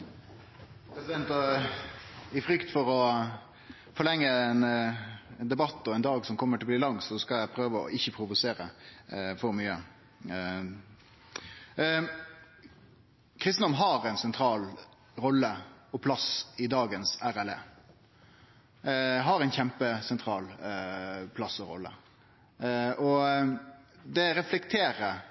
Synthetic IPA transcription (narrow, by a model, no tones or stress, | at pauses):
pʰɾɛsɪd̪ɛnt̪ɑ | ɪfɾʏkt̪fɔɾɔ | fɔɾɭɛŋːəɛn | ɛnd̪ɛbɑt̪ːɔɛnd̪ɑːɡsɔmkʰɔmːəʈʰɪlbliːlɑŋsɔskɑljæɪpʰɾøːʋəɔ̰ʔɪçːəpʰɾʊʋʊseːɾə̰fɔɾmyːə | kʰɾɪst̪n̩d̪ɔmnɦɑɾɛnsɛnt̪ʰɾɑːl | ɾɔlːəɔpʰlɑsɪd̪ɑːɡənsæɾælḛː | ɦɑɾɛɪnçɛmpəsɛnt̪ʰɾɑːl | pʰlɑsɔɾɔ̰lːə̰ | ʔɔ | d̪ɛɾɛflɛkt̪ʰeːɾəɾ